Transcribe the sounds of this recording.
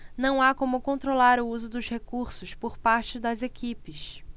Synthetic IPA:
nɐ̃w̃akõmʊkõnt̪ɾolaɾʊuzʊd̪ʊzhekuɾsʊspoɾpaɾt͡ʃɪd̪ɐzekipɪʃ

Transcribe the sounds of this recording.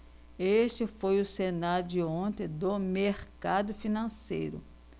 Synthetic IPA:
eʃt͡ʃɪfojʊsenaɾʊd͡ʒɪõt̪ẽj̃d̪ʊmeɾkad̪ʊfinɐ̃sḛjɾʊ̰

